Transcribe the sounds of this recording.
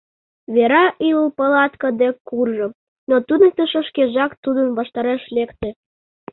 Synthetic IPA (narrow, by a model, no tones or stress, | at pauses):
βeɾɑʔiləpəlɑt̪kəd̪ekurʒɤ̆ | not̪ud̪ək̚t̪əʃə̆ʃkeʒɑkt̪ud̪ənβɑʃt̪ɑɾeʃlekt̪ĕ